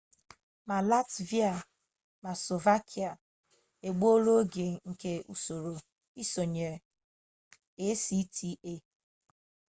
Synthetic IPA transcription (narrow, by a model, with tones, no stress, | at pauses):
ma˨la˦tvi˦a˨ | ma˨so˨va˦kʰi˦a˨ | e˨ɡ͡bo˦lo˦ɡe˨ŋ̩˨ke˨ṵ˨so˨ɾo˨ | i˦so˨ɲe˨ | e˦si˦tʰi˦e˦